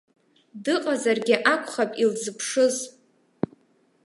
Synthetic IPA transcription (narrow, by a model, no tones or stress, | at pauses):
dɨqʼazarɡʲɪʔakʷʰʼχapʼilzɨpʰʂɨz